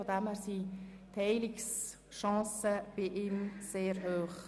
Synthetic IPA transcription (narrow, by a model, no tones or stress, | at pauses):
od̪æmæɾsi | t̪ʰhɛɪlɪks | ʃɑ̃ːsəb̥ɪʔiːmseːɾɦøːχ